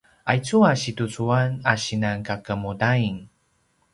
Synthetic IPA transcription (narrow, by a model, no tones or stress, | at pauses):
ʔajt͡suaɕitut͡suanaɕinaŋkakəmudaiŋ